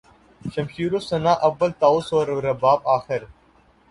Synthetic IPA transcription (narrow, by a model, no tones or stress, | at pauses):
ʃɐmʃiːɾoːsɐnaːʔɐʋːəlt̪aːʊsoːɾːɐbaːbaːxɪɾ